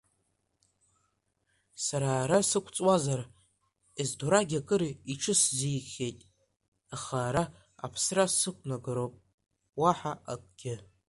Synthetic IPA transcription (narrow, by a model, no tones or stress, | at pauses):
saɾaːɾasɨkʷʰt͡sʼwazar | ezdoɾaɡʲakʼɨɾiiʈ͡ʂʰɨszijχʲejtʼ | aχaːɾa | a̰pʰsrasɨkʷʰʼnaɡɨɾowpʼ | waħaakʷʼɡ̥ʲɪ